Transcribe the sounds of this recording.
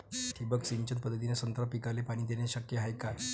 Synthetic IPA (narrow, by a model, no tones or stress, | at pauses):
ʈ̪ʰibəksiɲt͡ɕənt̪̚pəd̪ʱːət̪inesənt̪ɾəpikalepaɽ̃iːd̪enjaɕəkjəɦajka